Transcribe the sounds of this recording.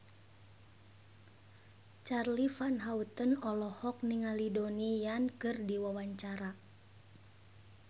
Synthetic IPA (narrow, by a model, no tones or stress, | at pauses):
t͡ʃarlifanɦaut̪ənɔlɔhɔk̚niŋalidonijankɨrdiwawaɲt͡ʃaɾa